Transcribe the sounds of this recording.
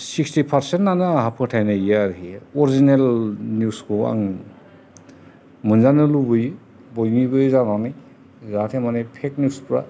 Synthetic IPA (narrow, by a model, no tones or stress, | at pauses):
sikstipʰaɾsentnanaɦapʰɯtʰajnaijaɾɦiɔɾizinelnjuskʰɔa̰ŋ | mɯnzanɯlubɯj | bɔjnibɯjzananɯj | zatʰemanepʰek̚njuspɾa